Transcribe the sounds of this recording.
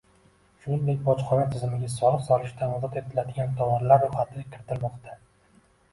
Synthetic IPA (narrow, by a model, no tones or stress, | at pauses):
ʃʊnɪnd̪ek̚ʲbɒt͡ʃqʰɒnjat̪ʰːɪzɪmɪɡʲasɒlˠɨqsɒlɪʃt̪ʰanɒzɒt̪e̞t̪ʰːɪlad̪ɪɡʲant̪ʰɒvaɾlaɾːʊhat̪ʰɪnɪkʲʰɪɾɪt̪ʰɪɾlmɒqt̪ʰa